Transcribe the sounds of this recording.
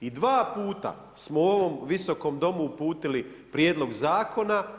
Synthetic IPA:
id̪ʋaːpuːt̪a̰ | smoo̞ʋo̞mʋiso̞ko̞md̪o̞muːpuːt̪ili | pɾje̞ːd̪lˠo̞ɡzaːkʰo̞na

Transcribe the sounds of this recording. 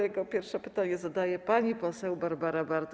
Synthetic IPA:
jɛɡɔpʲjɛɾfʂɛpɘ̥t̪aɲɛzad̪ajɛpaɲipɔsɛwbaɾbaɾabaɾd̪

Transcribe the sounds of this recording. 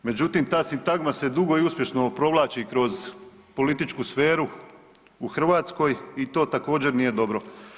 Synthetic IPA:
me̞d͡ʑut̪imt̪aːsint̪aɡmase̞d̪uɡo̞iuspje̞ʃno̞pɾo̞ʋlˠaːt͡ɕikɾo̞z | po̞lit̪it͡ʃkusfeːɾu | uxr̩ʋaːt̪sko̞jit̪o̞ːt̪ako̞ːd͡ʑe̞ɾnije̞d̪o̞bɾo̞

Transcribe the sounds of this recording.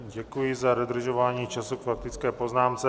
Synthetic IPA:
ɟɛkujɪzaɾod̪r̩ʒovaːɲiːt͡ʃasukfak̚t̪it͡skɛːpoznaːmt͡sɛ

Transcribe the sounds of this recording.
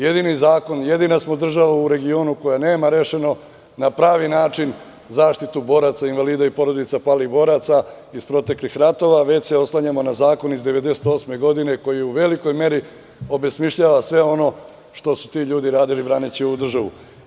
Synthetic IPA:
je̞d̪inizaːko̞nje̞d̪inasmod̪r̩ʒaʋauɾe̞ɡio̞ːnuko̞jane̞ːmaɾe̞ʃe̞no̞ | napɾaːʋinaːt͡ʃin | zaːʃt̪it̪ubo̞ːɾat̪sainʋaliːd̪aipo̞ɾo̞d̪it̪sapalibo̞ːɾat̪sa | ispɾo̞t̪e̞klixɾat̪o̞ʋaʋe̞t͡ɕse̞o̞slˠaɲamo̞nazaːko̞nizd̪e̞ʋe̞d̪e̞set̪o̞ːsme̞ɡo̞d̪ine̞ko̞jiuʋe̞liko̞jme̞ɾi | o̞be̞smiʃʎaːʋasʋe̞o̞no̞ | ʃt̪o̞su̥t̪iʎuːd̪iɾaːd̪ilibɾaːnit͡ɕioud̪r̩ʒaʋṵ

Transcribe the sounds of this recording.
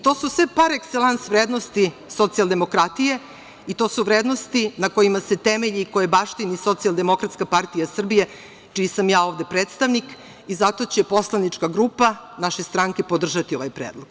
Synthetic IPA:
t̪o̞ːsusʋepaɾekselansʋɾeːd̪nost̪i | sot̪sijalˠd̪emo̞kɾat̪ije̞ | it̪o̞ːsuʋɾeːd̪no̞st̪inako̞jimase̞t̪emeʎikojebaʂt̪iniso̞t̪sialˠd̪e̞mo̞kɾat̪skapart̪ijasr̩bije̞ | t͡ʃijisamjaːo̞ːvd̪e̞pɾeːt̪st̪aʋnik | izat̪o̞t͡ɕe̞po̞slˠanit͡ʂkaɡɾuːpanaʃest̪ɾaŋke̞po̞d̪r̩ʒat̪io̞ʋajpɾeːd̪lˠoɡ̥

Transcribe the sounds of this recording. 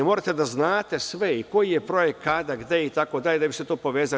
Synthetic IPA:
moɾat̪e̞d̪aznaːt̪e̞sʋeiko̞jijepɾo̞jekkːad̪aɡ̪d̪eeit̪ako̞d̪aʎʲed̪aʋiset̪o̞ːpo̞ʋeːza

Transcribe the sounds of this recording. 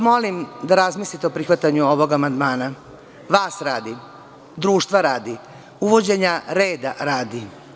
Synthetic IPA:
mo̞limd̪aɾazmiːslit̪eopɾixʋat̪aɲuo̞ʋo̞ɡamand̪maːna | ʋaːsɾaːd̪i | d̪ɾuːʃt̪ʋaɾaːd̪i | uʋo̞d͡ʑe̞ɲaɾeːd̪a̰ɾaːd̪i

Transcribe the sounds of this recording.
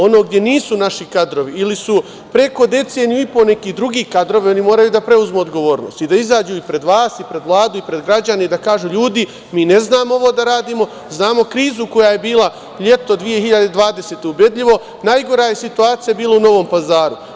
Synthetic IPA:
o̞no̞ːɡ̚d̪je̞niːsunaʃikad̪ɾo̞ʋiilisu | pɾe̞ko̞d̪e̞t̪seːnjuipo̞ne̞kid̪ɾuɡiːkad̪ɾo̞ʋio̞nimoːɾajuːd̪apɾe̞uzmeod̪ɡo̞ʋo̞ːɾno̰ːst̪id̪aizaːd͡ʒuːipɾe̞d̪ʋaːsipɾe̞d̪ʋlˠaːd̪uipɾe̞d̪ɡɾad͡ʑaned̪akaːʒuʎuːd̪i | miːne̞znaːmoo̞ʋo̞ːd̪aɾaːd̪iːmo̞ | znaːmo̞kɾiːzuko̞jaje̞biːla | ʎe̞t̪o̞d̪ʋije̞hiʎad̪e̞d̪ʋaːd̪e̞seːt̪e̞ubje̞d̪ʎiʋo̞ | najɡo̞ɾaje̞sit̪uaːt̪sijabiːlˠauno̞ʋo̞ːmpazaːɾu

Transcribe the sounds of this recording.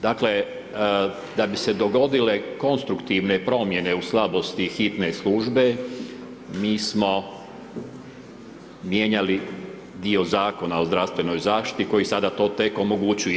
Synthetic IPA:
d̪akle̞ | d̪abise̞d̪o̞ɡo̞d̪ile̞ko̞nst̪ɾukt̪iʋne̞pɾo̞mje̞ne̞uslˠabo̞st̪ixit̪ne̞slˠuʒbe̞ | miːsmo̞ | mje̞ɲali | d̪io̞zaːko̞nao̞zd̪ɾaʋst̪ʋe̞no̞jzaːʃt̪i̥t̪iko̞jisad̪at̪o̞ːt̪e̞ko̞mo̞ɡut͡ɕuj

